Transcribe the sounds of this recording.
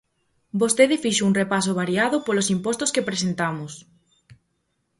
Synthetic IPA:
bost̪eðɪfiʃʊuŋrepasoβ̞aɾiaðʊpolosimpɔst̪oskepɾesent̪amʊs

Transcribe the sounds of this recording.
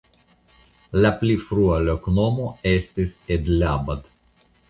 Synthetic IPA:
laplifɾualoknomo̞est̪ised̪labad̪

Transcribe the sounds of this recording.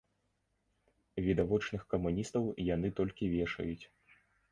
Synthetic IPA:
vʲid̪avɔt͡ʂnɨxkɐmunʲist̪ɐwjanɨt̪ɔlʲkʲivʲɛʂɐ̰jut͡sʲ

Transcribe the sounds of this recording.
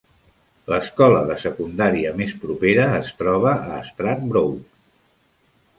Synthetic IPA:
ləskɔləðəsəkund̪aɾiəmespɾupeɾəːst̪ɾɔβ̞əəːst̪ɾat̪̚bɾow

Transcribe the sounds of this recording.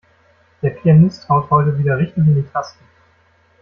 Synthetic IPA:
d̥eːɐpʰianɪsthaʊthɔʏtəviːdɐʁɪçtɪŋɪndiːtʰastn̩

